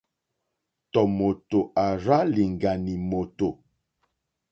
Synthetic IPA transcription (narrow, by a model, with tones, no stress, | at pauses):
tɔ˨mo˨to˨a˨ɾa˦li˨ŋ˨ɡa˨ni˨mo˨to˨